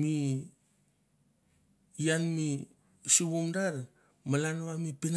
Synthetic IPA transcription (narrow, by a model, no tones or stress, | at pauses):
mi | janmi | siβumdaɾ | malanβamipin